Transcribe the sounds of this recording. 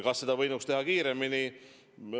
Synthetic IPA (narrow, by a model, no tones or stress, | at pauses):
kɑsːe̞d̪̥ɑvɤ̞jnukst̪e̞ɦɑkiːɾe̞mini